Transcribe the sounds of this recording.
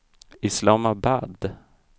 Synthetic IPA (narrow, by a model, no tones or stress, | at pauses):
ɪslaːmabad̪